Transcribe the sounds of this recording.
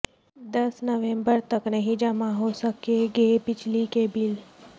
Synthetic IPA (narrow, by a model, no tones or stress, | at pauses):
d̪ɐsnəʋẽmbəɾt̪əknəɦĩd͡ʒəmãɦosəkeɡepɪt͡ʃʰlikebɪl